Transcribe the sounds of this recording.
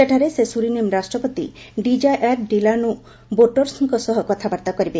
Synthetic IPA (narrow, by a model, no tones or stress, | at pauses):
eʈʰaɾesesuɾinemɾasʈɾɔpot̪ḭɖid͡ʒaʔaʈɖilanu | boʈoɾsiŋkɔsɔɦɔkɔt̪ʰabaɾt̪akɔɾibe